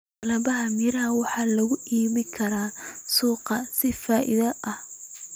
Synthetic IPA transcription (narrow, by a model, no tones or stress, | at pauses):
lɐβɐɦɐmɪɾɐɦɐwɑħɑːlɐɣʊʔiːβɪkʰɐɾaːsuːqɐsɪfaːʔɪ̰ðɐʔɐh